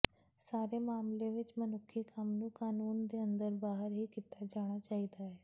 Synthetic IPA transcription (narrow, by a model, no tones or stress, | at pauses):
saːɾemaːmlẽʋɪt͡ʃmənʊkʰːikamnũːkaːnuːnd̪eə̃nd̪əɾbaːɦəɾɦiːkit̪ad͡ʒaːɽ̃at͡ʃaːid̪aɦɛː